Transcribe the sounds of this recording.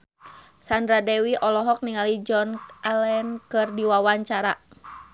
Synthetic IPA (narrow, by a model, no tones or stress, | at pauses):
sandɾadɛwiʔɔlɔɦɔk̚niŋalid͡ʒɔnalɛnkɨrdiwawaɲt͡ʃaɾa